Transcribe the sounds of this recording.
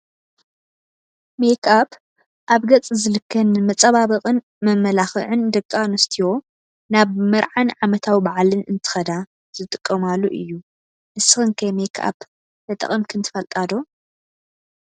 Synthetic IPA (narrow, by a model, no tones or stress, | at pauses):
mekʰab | ʔaβɡɐt͡sʼzɨlɨkːɐnɨmɐt͡sʼɐβaβɐqʼɨn | mɐmːɐlaxɨ̰ʕɨnd̪ɐkʼːanɐst̪ʰijo̞ | naβmɐɾʕanʕamɐt̪ʰawibaʕlɨnʔɨnt̪ʰɨ̥xɐd̪a | z̥ɨt̪ʼɨkʼːɐmalːuʔɨ̰jːu | ʔɨsɨxɨnkʰɐmekʰa̰b | bɐt̪ʼɐ̰χʼɨmkʰɨnt̪ʰɨ̥fɐlt̪ʼad̪o